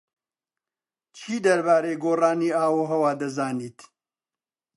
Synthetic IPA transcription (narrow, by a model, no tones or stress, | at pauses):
t͡ʃʰiːd̪ɐɾbaːɾeːɡoːraːniːaːwoːɦɐwaːd̪ɐzaːniːt̪